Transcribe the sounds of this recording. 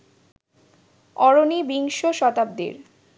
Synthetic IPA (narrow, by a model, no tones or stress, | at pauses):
ɔɾonibiŋʃoʃɔt̪ab̚d̪ḛɾ